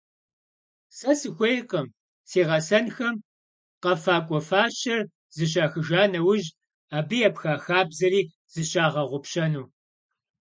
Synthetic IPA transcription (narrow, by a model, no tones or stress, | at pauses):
sɐsɨxʷejqəm | seːʁɐsɐnxɐm | qɐfaːkʷʼɔfaːɕɐr | zɨɕ̬ʼaːxɨʒaːnɐwʊʒ | aːbɨjɐpxaːxaːbzɐɾiː | z̥ɨɕʼaːʁɐʁʷʊpɕɐnuː